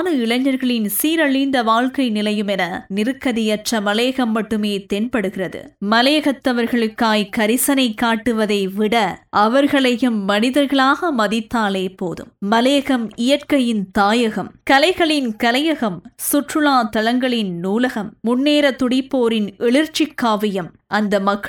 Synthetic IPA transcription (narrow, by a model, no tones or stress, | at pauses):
nɯɪɭɐɲːɐɾɣɐɭɪnsiːɾɐɭɪnd̪ɐʋaːɻkɐɪnɪlɐjɯmɛnɐnɪɾɯkːɐðɪjɐʈrɐmɐleːɣɐmːɐʈːɯmeːt̪ɛnpɐɽɯɣɪrɐðɯ̰mɐleːɣɐt̪ːɐʋɐɾɣɐɭɯkːaːjkɐɾɪsɐnɐɪkːaːʈːɯʋɐðɐɪʋɪɽɐʔɐʋɐɾɣɐɭɐjɯmːɐnɪðɐɾɣɐɭaːɣɐmɐðɪt̪ːaːleːpoːðɯ̰mːɐleːɣɐmɪjɐʈkɐjɪnt̪aːjɐɣɐmkɐlɐɪɣɐɭɪnkɐlɐjɐɣɐmsʊʈrɯlaːt̪ɐlɐŋɡɐɭɪnːuːlɐɣɐmːʊnːeːɾɐt̪ʊɽɪpːoːɾɪnɛɭɪɾt͡ʃɪkːaːʋɪjɐmʔɐnd̪ɐmɐkː